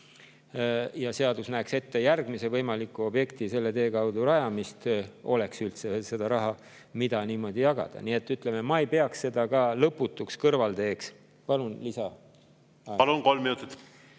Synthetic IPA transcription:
jɑse̞ɑd̪usnæːkse̞t̪ːe̞jærɡ̥mise̞vɤjmɑlikːˑuo̞bje̞kt̪ise̞lːe̞t̪e̞ːkɑwd̪uɾɑjɑmist̪o̞le̞ksylt̪sese̞d̪̥ɑɾɑɦɑ | mid̪̥ɑniːmo̞d̪̥ijɑɡ̥ɑ̰d̪̥ɑ̰nie̞t̪ːˑyt̪ˑle̞me̞mɑejpe̞ɑksse̞d̪ɑkɑːlɤpːˑut̪ːˑukskɤrvɑlt̪e̞ːks | pɑlunlisɑ | pɑlunkolmːinut̪ːit̪

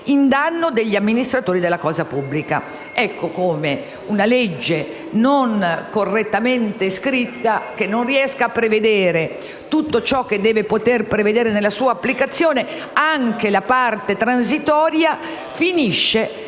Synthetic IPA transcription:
ind̪anːod̪eʎːiamːinist̪ɾat̪oːɾid̪elːakɔːzapubːlika̰ | ɛkːokoːme | unalɛd͡ʒːe | noŋkorːet̪ːament̪eskɾit̪ːakenːonriɛskaːpːɾeved̪eːɾe | t̪ut̪ːot͡ʃɔk̟ːed̪ːɛːvepot̪erpɾeved̪eːɾenelasuːaːpːlikat̪sːjoːne | aŋkelapart̪et̪ɾans̬it̪ɔːɾja | finiʃːe

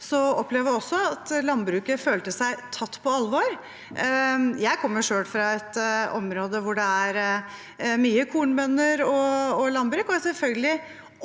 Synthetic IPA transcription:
sɔɔpleːʋjæɔsːɔɑt̪lɑnbɾʉːkəføːlt̪əsæɪt̪ʰɑt̪ːpʰɔɑlʋoɾ | jæɪkʰɔmːəʂøːɽfɾɑɛt̪ɔmɾoːd̪əʋʊɖɛæɾ | myːəkʰuːɳbœnːəɾɔɔlɑnbɾʉːkɔæsɛlfœlɡəlɪ

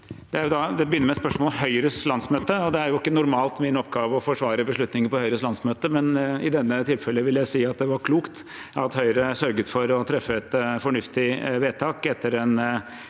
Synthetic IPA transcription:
d̪̥ɛæɾjʊd̪ɑd̪ɛbəjʏnːəmɛspœʂmɔlɦœʏɾəslɑnsmøːt̪əɔd̪ɛæɾjʊɪkːənʊɾmɑːlt̪mɪnɔpːɡɑːʋəɔfɔʂʋɑːɾəbəʂɭʉt̪nɪŋəpɔhœʏɾəslɑnsmøːt̪əmɛnɪ̰d̪ɛnːət̪ʰɪlfɛlːəʋɪljæɪsiːɑt̪̚d̪ɛʋɑɾkʰluːkt̪ | ɑt̪hœʏɾəsœɾɡət̪fɔɾɔt̪ʰɾɛfːəɛt̪fɔɳʉft̪ɪʋeːt̪ʰɑːkɛt̪ʰːəɾɛn

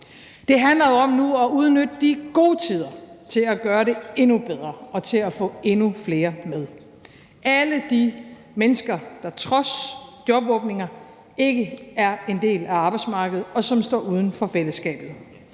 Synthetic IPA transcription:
d̥e̝ɦænlɐjoɒ̽mnuæuð̞ˠnød̥əd̥iɡ̥o̝̰ːt͡sʰið̞̰ˠɐt͡sʰe̝læɡ̥ɶːɐɾe̝e̝nub̥eð̞ˠʁɐɒ̽t͡sʰe̝læfɔ̰̽ːe̝nufle̝ːɐmeð̞ˠ | ʔæləd̥i | menəsɡ̥ɐd̥ɑ̈t͡sʰʁɒ̽sd̥jɒ̽b̥ɔ̽ːb̥̚ne̝ŋɐ | e̝ɡ̥əæɐe̝nd̥e̝̰ːlæɑ̈b̥ɑ̈ɪdsmɑ̈ːɡ̥əð̩ˠɒ̽sɒ̽msd̥ɒ̰ːuːð̞ˠn̩fɒ̽fel̰əsɡ̥ɛ̰ːb̥ð̩ˠ

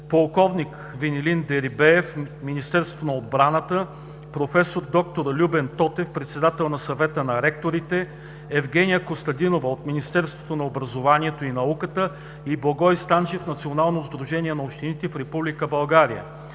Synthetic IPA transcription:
polˠkɔvnik | vinilind̪ɛɾibɛɛfminist̪ɛɾst̪vo̥t̪onɐod̪̚bɾanət̪ə | pɾofɛsoɾd̪ɔk̚t̪oɾlʲubɛnt̪ɔt̪ɛfpɾɛt̪sɛd̪at̪ɛlˠnɐsɐvɛt̪ənɐɾɛk̚t̪oɾit̪ɛ | ɛvɡɛnijəkost̪ɐd̪inovəot̪minist̪ɛɾst̪vo̥t̪onɐobɾɐzovanʲiɛt̪oinɐukət̪ə | iblˠɐɡɔjst̪anʒɛfnɐt̪sionalˠnozd̪ɾuʒɛniɛnɐopʃt̪init̪ɛfɾɛpublʲikəbɐlˠɡaɾijə̰

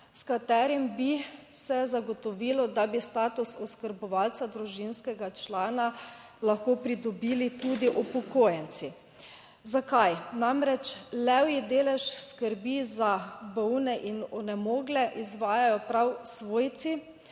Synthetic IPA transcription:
skat̪ɛːɾimbisɛzaɡɔt̪ɔʋilɔd̪abist̪aːt̪usɔskəɾbɔʋalt̪sad̪ɾuʒinskɛɡat͡ʃlaːna | laxkoːpɾid̪ɔbiːlit̪ud̪iʔɔpɔkoːjɛnt̪si | zakajnamɾɛt͡ʃlɛwjid̪eːlɛʃskəɾbizabɔwnɛʔinɔnɛmoːɡlɛʔizʋaːjajɔpɾawsʋoːjt̪si

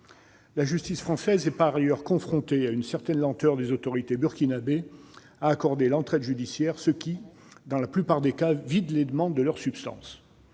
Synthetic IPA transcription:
laʒyst̪isfχɑ̃sɛzɛpaʁajœʁkɔ̃fχɔ̃t̪eaynsɛʁt̪ɛnlɑ̃t̪œʁd̪ezot̪ɔʁit̪ebyʁkʲinabe | aːkɔʁd̪elɑ̃t̪χɛd̪ʒyd̪isjɛʁsəkʲi | d̪ɑ̃laplypaʁd̪ekavid̪led̪əmɑ̃d̪ːəlœʁsypst̪ɑ̰̃s

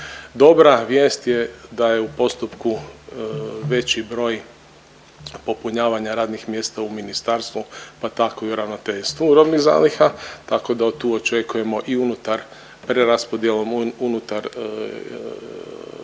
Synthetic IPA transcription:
d̪o̞bɾaʋjeːst̪je̞d̪aje̞upo̞st̪upku | ʋe̞t͡ɕibɾo̞ːj | po̞puɲaːʋaɲaɾaːd̪nixmjest̪auminist̪aɾst̪ʋupat̪ako̞iuɾaʋnot̪eʎst̪ʋuɾobniɣza̰ːlixat̪ako̞d̪aot̪uːo̞t͡ʃe̞kuje̞mo̞ʔiunut̪aɾ | pɾeɾaspo̞d̪je̞lo̞munut̪aɾ

